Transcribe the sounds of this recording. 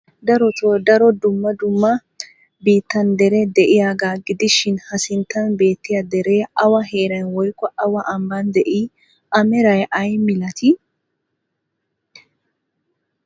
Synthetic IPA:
d̪ɐɾɔt̪ɔd̪ɐɾɔd̪ʊmːɐd̪ʊmːɐ | biːt̪ːɐnd̪ɛɾɛd̪ɛʔɪjaːɡaːɡɪd̪ɪʃɪnhɐsɪnt̪ːɐnbe̞ːt̪ːɪjɐd̪ɛɾeʔɐwɐhe̞ːɾɐjnwɔjkːɔʔɐwɐʔɐmbɐnd̪ɛʔi | ʔɐmɛɾɐjɐjmɪlɐt̪ʰɪ

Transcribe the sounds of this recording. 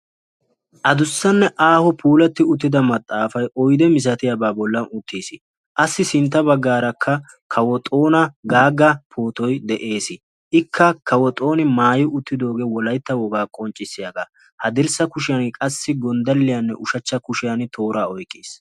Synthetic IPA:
ʔɐd̪ʊsːɐnːɛʔaːhɔpʰuːlɐt̪ːɪʊt̪ːɪd̪ɐmɐt̪ʼːaːfɐjʔɔjd̪ɛmɪs̬ɐt̪ɪjɐbaːbɔlːɐnʊt̪ʰːiːsɪ | ʔɐsːɪsɪnt̪̬ːɐbɐɡːaːɾɐkʰːɐ | kʰɐwɔt̪ʼo̞ːnɐɡaːɡːɐpʰo̞ːt̪ɔjd̪ɛʔe̞ːsɪ | ʔɪkʰːɐkʰɐwɔt̪ʼo̞ːnɪmaːjɪʔʊt̪ːɪd̪o̞ːɡeːwɔlɐjt̪ːɐwɔɡaːkʼɔnt͡ʃʼːɪsːɪjɐɡaː | hɐd̪ɪɾsɐkʊʃɪjɐnkʼɐsːɪɡɔnd̪ɐlːɪjɐnːɛ̰ʔʊʃɐt͡ʃːɐkʊʃɪjɐnɪt̪ʰo̞ːɾaːɔjkʼːiːs

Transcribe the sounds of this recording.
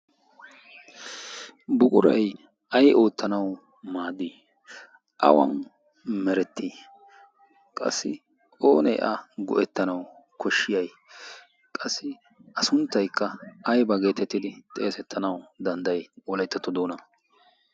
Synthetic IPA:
bʊkʼʊɾɐ̰j | ɐjʔo̞ːt̪ːɐnɐw | maːd̪ːi | ʔɐ̰wɐ̰n | mɛɾɛt̪ːiː | kʼɐ̰sːɪ | o̞ːnɛ̰jʔɐɡɔ̰ʔɛt̪ːɐnɐwkʰɔʃːɪjɐj | kʼɐsːɪ | ɐsʊnt̪ːɐjkːɐɐjbɐɡe̞ːt̪ɛt̪ːɪd̪ɪt̪ʼe̞ːsɛt̪ʰːɐnɐwd̪ɐnd̪ɐjwɔlɐjt̪ːɐt̪ːɔd̪o̞ːnɐ

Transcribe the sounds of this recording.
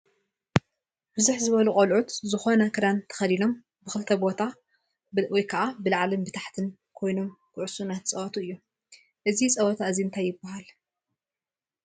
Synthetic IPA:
b̥ɨzuħzɨβɐlukʼɐlʕut̪zɨxo̞nɐkʰɨɾant̪ʰɐ̥xɐlilo̞m | bɨxɨlt̪ʰɐbo̞t̪ʰa | wɔjkʰɐʔabɨlaʕalɨmbɨt̪ʰaħt̪ʰɨn | kʰo̞jno̞mkʰɨʕʊsunat̪ʰt͡sʼɐwɐt̪ʰuɨjːu | ʔɨzit͡sʼɐwɐt̪ʰaɨziɨnt̪ʰajːɪbːaɦal

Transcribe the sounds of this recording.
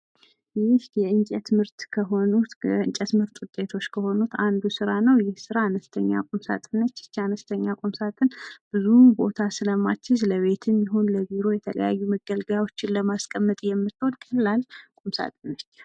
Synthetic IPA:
jɪhjɛɨnt͡ʃʼɛt̪mɨɾt̪kʰəɦo̞nut̪ɨɲt͡ʃʼɛt̪mɨɾt̪ʼʊt̪ʼːe̞t̪ʰo̞t͡ʃːkʰəho̞nut̪and̪usɨɾanəwjɪhsɨɾaːnəst̪ʰəɲːa̰kʼumsa̰t̪ʼɨnːət͡ʃːɪ̥t͡ʃːanəst̪ʰəɲːakʼumsat̪ʼɨnb̥ɨzumbo̞̰t̪ʰasɨləma̰t͡ʃːɪzləβe̞t̪ʰɨmjɛɦonləɡiɾojɛt̪ʰələ̰ja̰jːuməɡəlɡjawo̞t͡ʃːɪnləmaskʼəmːət̪ʼjɛmːɨt̪ʰːod̪kʼəlːalkʼumsa̰t̪ʼɨnːət͡ʃː

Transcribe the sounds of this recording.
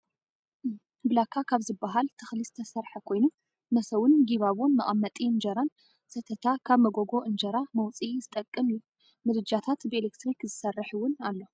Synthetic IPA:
bɨlakʰːakʰaβzɨbːaɦalt̪ʰɨxlist̪ʰɐsɐɾħɐkʰo̞jnu | mɐsɐwʊnɡiβaβonmɐʔʼamːɐt̪ʼiɨnd͡ʒɐɾan | sɐt̪ʰɐt̪ʰakʰaβmɐɡoɡo̞ʔɨnd͡ʒɐɾamɐwt͡sʼizɨt̪ʼɐkʼːɨmju | mɨd̪ɨd͡ʒat̪ʰat̪bɨelekt̪ɾikzɨsɐrːɐħɨwʊnalːo̞

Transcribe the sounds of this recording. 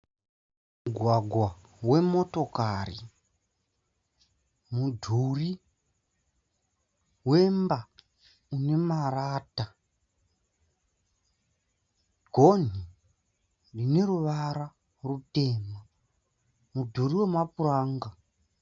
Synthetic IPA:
muɡʱwaɡʱwa | we̞mo̞to̞kari | mudʱuri | we̞mba | une̞maraːta | ɡʱo̞ni | dine̞ɾuʋaɾa | rute̞ːma | mudʱuriwe̞mapuraːŋɡa

